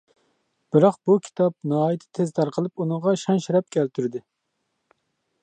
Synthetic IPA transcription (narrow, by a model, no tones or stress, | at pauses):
b̥ɨɾɑqbukʲʰi̥t̪ʰɑp̚nɑɦɑːjt̪ʰɪ̥t̪ʰezt̪ʰɑɾqʰəlˠɨpunɨŋʁɑʃɑnʃiɾɛp̚kʲɛlt̪ʰyɾd̪ɪ